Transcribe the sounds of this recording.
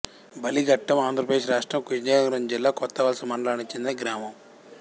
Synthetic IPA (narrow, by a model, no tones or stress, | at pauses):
bɐliɡɐʈːɐmaːnd̪ʱɾɐpɾɐd̪eːʂ̬ʃɾaːʂʈɾɐmkuʃɲeːɐŋɡɾɐnd͡ʒilːaːkɔt̪ːɐʋɐlsɐmɐɳlaːnit͡ʃend̪inɡɾaːmɐm